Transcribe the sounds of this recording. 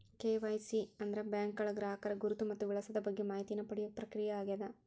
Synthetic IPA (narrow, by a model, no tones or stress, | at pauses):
keːʋɐjsiɐnd̪ɐɾebjaːŋkɡɐɭɐɡɾaːɦɐkɐɾɐɡuɾut̪umɐt̪ːuʋiɭɐsɐd̪ɐbɐɡːemaːɦit̪inɐpɐɽijɐpɾɐkɾijɐaːɡed̪ɐ